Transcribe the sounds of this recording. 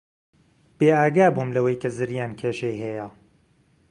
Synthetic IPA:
b̥eːaːɡaːbumlɐwɐjkʰɐzɨɾjaːnkʰeːʃejhɛja

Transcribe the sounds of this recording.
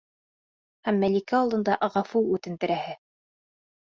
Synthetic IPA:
hæmːælikæɑlˠd̪ɤ̆nd̪ɑʔʁɑfuʉt̪ɘ̆nt̪ɘ̆ɾæhɘ

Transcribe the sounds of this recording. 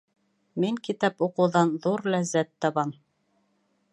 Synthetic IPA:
miŋkit̪ɑpuqɤ̆wðɑnðuɾlæzːæt̪ːɑβɑn

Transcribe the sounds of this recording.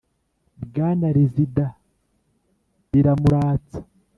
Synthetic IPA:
bɡaːnaɾizida | ɾiɾamuɾaːt͡sḁ

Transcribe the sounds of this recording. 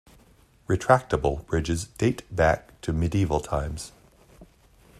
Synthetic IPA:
ɹɨtʰɹ̥æk̚təbəl̩ˠb̥ɹɪd͡ʒɪzdeɪtb̥æk̚tʰɨmɪdiivəl̩ˠtʰãɪ̃mz̥

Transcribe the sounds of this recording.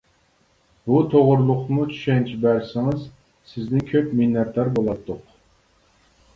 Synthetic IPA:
but̪ʰoʁʊɾlˠʊqnut͡ʃʰy̥ʃɛnt͡ʃʰibæɾsɪŋɨz | sɪznɪkʲʰøpminːɑɾd̪ɑɾbolˠɑt̪ʰːʊq

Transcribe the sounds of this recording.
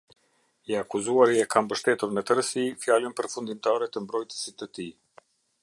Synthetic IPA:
iakuzuaɾiɛkʰambəʃt̪ɛt̪uɾmɛt̪əɾəsifjalənpəɾfund̪imt̪aɾɛt̪əmbɾɔjt̪ə̥sit̪ːət̪i

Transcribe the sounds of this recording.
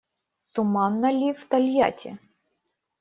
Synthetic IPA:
t̪ʊmɑnːɐlʲiwt̪ɐlʲja̰tʲḭ

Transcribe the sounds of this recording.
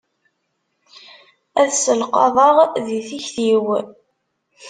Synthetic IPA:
æðsəlqɑ̰ðˤɑʁðiθiçθiw

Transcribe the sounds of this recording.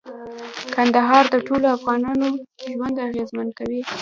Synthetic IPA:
kand̪aɦɑɾd̪əʈoloafɣɑnɑnoʒwand̪aɣezmankawi

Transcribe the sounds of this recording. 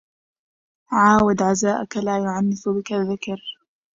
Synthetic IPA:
ʕaːwad̪ʕazaːʔakalaːjʊʕanːɪfʊbɪkaðːɪkɑɾ

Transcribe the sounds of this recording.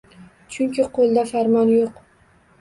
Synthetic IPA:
t͡ʃʰʊŋkʲɪqʰolˠd̪afaɾmɒnjoq

